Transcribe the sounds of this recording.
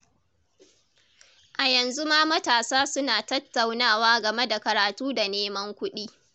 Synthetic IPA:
ʔa˨jɐ˨nzu˦maː˦mɐ˦taː˨saː˦sʊ˦naː˨tɐ˦tːa˨wnaː˦˨waː˦ɡɐ˨me˦da˨kɐ˨ɾaː˨tuː˦da˨neː˦mɐ˦ŋkʷʊ˦ɗiː˦

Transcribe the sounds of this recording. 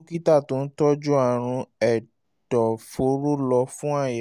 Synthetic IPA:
ki˦ta˦˨tõ˦n̩˦tɔ˦d͡ʒu˦a˦˨ɾ̃ũ˧ɛ˨ | d̥ɔ˨fo˨˦ɾo˦lɔ˧fũ˦a˦˨jɛ˨

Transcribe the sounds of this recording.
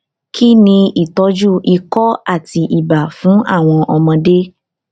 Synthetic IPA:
kʰi˦nĩ˧i˦˨tɔ˧˦d͡ʒu˦i˧kɔ˦a˦˨ti˧ʔi˦˨ba˨fũ˨˦a̰˦˨w̃ɔ̃˧ʔɔ˧mɔ̃˧de˦

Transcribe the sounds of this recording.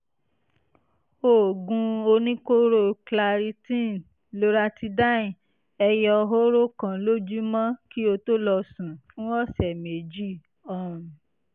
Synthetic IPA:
o˦˨ɡũ˧o˧nĩ˦ko˦ɾo˦˨kla˧ɾi˧tĩ˦˨ | lo˦ɾa˦ti˧da˦ĩ˨ | ɛ˧jɔ˧ɦo˦ɾo˦kã˨lo˦d͡ʒu˦mã˦ki˦o˧to˦lɔ˧sũ˨fũ˦ɔ˦˨sɛ˨me˨d͡ʒi˦˨ | ɔ̃˦˨

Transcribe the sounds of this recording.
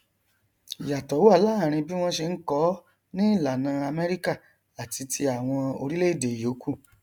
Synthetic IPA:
i˨ja˨tɔ˨˦wu˦a˦˧˦laː˦˨ɾ̃ĩ˧bi˦w̃ɔ̃˦ʃe˧n̩˦kɔ˦ | nĩ˦˨la˨nã˨˧a˧mɛ˦ɾi˦ka˦˨ | a˨ti˧tʰi˧a˨w̃ɔ̃˧o˧ɾi˦le˦i˦˨de˨jo˨˦ku˦˨

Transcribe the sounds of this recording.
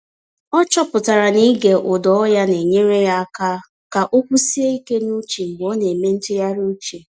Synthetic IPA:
ɔ˦t͡ʃɔ˦pʊ˨ta˨ɾa˨ni˦ɡe˨ʔʊ˨dɔ˨ɔ˦ja˦ne˨ɲe˦ɾe˦ja˦ka˦ | ka˨ʔo˦kʷu˦si˦e˦i˦ke˦nu˦t͡ʃe˨ŋ͡m̩˨ɡ͡bɔ˦ne˨me˦n̩˦tɪ˦ja˦ɾu˦t͡ʃe˨

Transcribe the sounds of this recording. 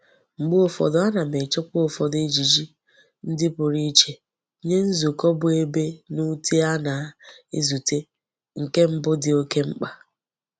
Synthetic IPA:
ŋ͡m̩˨ɡ͡bʊ˦o˦˨fɔ̰˨dʊ˦a˦na˨me˨t͡ʃɔ˦kʊ˦o˨fɔ˨de˦d͡ʒi˨d͡ʒi˦ | n̩˦dɪ˦pʊ˨ɾi˦t͡ʃe˨ | ɲe˦n̩˦zu˨kɔ˦bʊ˨e˦be˦nu˦tʰe˦a˦na˨˦e˦zu˨te˦ | ŋ̩˨ke˦m̩˦bʊ˦dɪ˨o˦ke˦ŋ͡m̩˦k͡pa˨

